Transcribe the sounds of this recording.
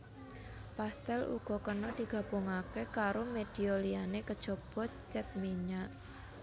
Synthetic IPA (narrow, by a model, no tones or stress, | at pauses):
past̪ɛlṵɡ̥ɔ̤kənɔd̪̥i̤ɡ̥ä̤b̥oŋakekaɾomed̥iolianekəd̥ʒ̥ɔ̤b̥ɔt͡ʃɛt̪̚miɲaʔ